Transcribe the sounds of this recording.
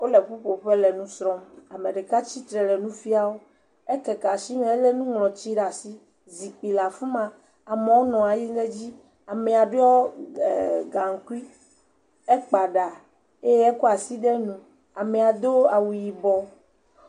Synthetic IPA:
o˦le˨ɸu˦ɸo˨ɸe˦le˨nũ˦sɾɔ̃˦ma˨me˨ɖe˨ka˦t͡ɕi˦t̪ɾɛ˨le˨nũ˦fi˦a˦wo˦ | e˦kɛ˨ka˨si˦mẽ˦e˦le˦nũ˦ŋlɔ̃˨t͡ɕi˦ɖa˨si˦ | zi˨k͡pi˨la˨fu˦mã˨ | a˨me˨wo˦nɔ̃˨a˨ji˦ne˦d͡ʑi˦ | a˨me˨a˨ɖe˦ɔ˦˨ | ɡa˨ŋ̩˨ku˦i˦ | e˦k͡pa˨ɖa˨ | e˦jɛ˦ko˦a˨si˦ɖe˦nũ˦ | a˨me˨a˨d̪o˦a˨wu˨ji˨bɔ˨˦

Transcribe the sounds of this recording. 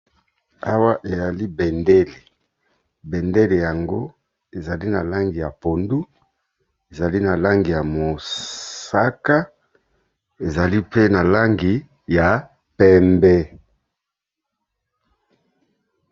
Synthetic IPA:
a˦wa˦ʔe˨ja˨li˦bɛ˨ndɛ˦le˨ | bɛ˨nde˦le˨ja˨ŋɡo˦ | e˨za˨li˦na˨la˦ŋɡi˨ja˨po˨ndu˦ | e˨za˨li˦na˨la˦ŋɡi˨ja˨mo˨sa˦ka˦ | e˨za˨li˦pe˦na˨la˦ŋɡi˨ | ja˨ | pɛ˦mbɛ˦

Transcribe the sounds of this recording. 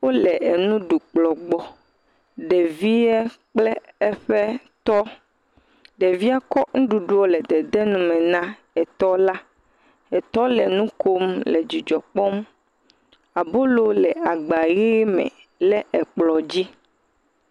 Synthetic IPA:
wo˦lɛ˨ɛ˨nũ˦ɖu˨k͡plɔ˨ɡ͡bɔ˦ | ɖɛ˨vi˦ɛ˦k͡plɛ˦ɛ˦ɸɛ˦ | t̪ɔ˦ | ɖɛ˨vi˦a˦kɔ˦ŋũ˦ɖu˨ɖu˦ɔ˦lɛ˨d̪ɛ˨d̪ɛ˦nũ˦mɛ̃˨nã˦ | ɛ˨t̪ɔ˦la˦ | ɛ˨t̪ɔ˦lɛ˨nũ˦kʰo˦mlɛ˨d͡ʑi˨d͡ʒɔ˨k͡pɔ˦m | a˨bo˦lo˦lɛ˨a˨ɡ͡ba˨ɣi˦mɛ̰̃˨ | lɛ˦ʔɛ˨k͡plɔ˨d͡ʑi˦

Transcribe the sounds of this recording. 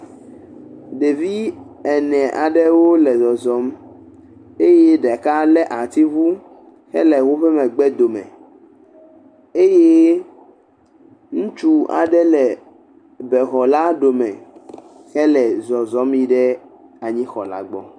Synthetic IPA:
ɖe˨vi˦ | ɛ˨nɛ̃˨ʔa̰˨ɖɛ˦wo˦lɛ˨zɔ˨zɔ˨˦m | e˦je˦ɖɛ˨ka˦lɛ˦ʔa˨t̪i˦vu˦ | xɛ̰˦lɛ˨wo˦ɸɛ˦mɛ̃˨ɡ͡bɛ˦d̪o˨mɛ̰̃˨ | e˦je˦ | ŋũ˦t͡ʃu˦a̰˨ɖɛ˦lɛ˨ | bɛ˨xɔ˨la˦ɖo˨mɛ̰̃˨ | xɛ˦lɛ˨zɔ˨zɔ˨˦mi˦ɖɛ˦ | a˨ɲĩ˦xɔ̰˨la̰˦ɡ͡bɔ̰˦

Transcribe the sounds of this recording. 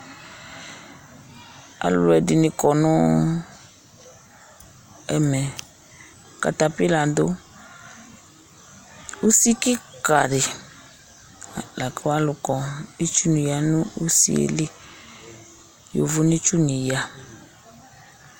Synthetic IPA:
a̰˨lʊ̰˨lɛ˨di˨nɪ̃˨kɔ˨nʊ̃˦ | ɛ̰˨mɛ˨ | ka̰˨ta˨pi˦la˨do˦ | u˦si˦ki˦ka˨ɾɪ˨ | la˨kʰɛ˦wa˦lʊ˨kɔ˨i˦t͡ʃu˦nĩ˨ja˨nũ˦u˦sḭ˦˨ḛ˨li˦ | jo̰˨vʊ˦nĩ˦t͡ʃu˦nĩ˨ja˦

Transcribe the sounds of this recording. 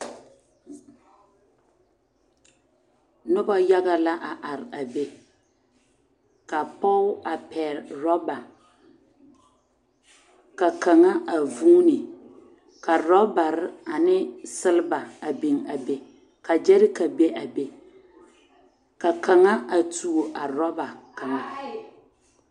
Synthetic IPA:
nʊ˦ba˦ja˦ɣa˦la˦ʔa˨ʔa˨ɾa˨be˦ | ka˨pɔ˦a˨pɛː˨ɾɾɔ˦ba˨ | ka˨ka˨ŋa˦ʔa˨vuː˦nɪ˨ | ka˨ɾɔ˦ba˨ɾɪ˦a˨nɪ˦sɨ˦lɨ˦ba˨a˨bi˨ŋa˨be˨ | ka˨d͡ʒɛ˦ɾɪ˦ka˨be˦ʔa˨be˦ | ka˨ka˨ŋa˦ʔa˨tu˨o˨ʔa˨ɾɔ˦ba˨ka˨ŋa˦

